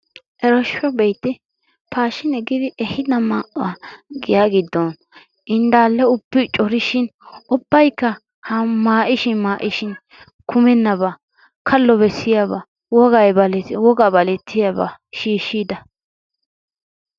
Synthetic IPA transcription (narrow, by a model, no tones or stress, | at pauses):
ʔɛɾɔʃɔbɛjt̪ːɪ | paːʃɪnɛɡɪd̪ɪʔɛhɪd̪ɐmaːʔʊaɡɪjaːɡɪd̪ːɔn | ʔɪnd̪aːlːɛʊbːɪt͡ʃʼɔɾɪʃɪnʊbːɐjkːɐ | hɐmaːʔɪʃɪnmaːʔɪʃɪn | kʰʊmɛnːɐβa | kʰɐlːɔbɛsːɪjaba̰ | wɔɡɐjbɐlɛwɔɡaːbɐlɛt̪ʰːɪjaba̰ʃiːʃːiːd̪ɐ